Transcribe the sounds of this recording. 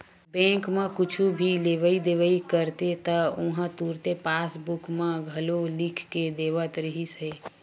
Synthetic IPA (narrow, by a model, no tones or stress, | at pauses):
bɛ̃ːkmẽkʊt͡ʃʰubʱileʋəid̪eʋəikəɾt̪et̪əʊɦə̃t̪uːɾt̪epaːsbukmẽɡʱəlolikʰked̪eʋət̪ɾəɦise